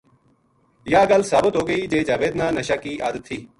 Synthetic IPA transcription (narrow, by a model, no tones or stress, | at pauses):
jaːɡɐlsaːbət̪ɦoːɡəiːd͡ʒeːd͡ʒaːʋeːd̪naːnəʃaːkiːʔa̰ːd̪ət̪ʰːiː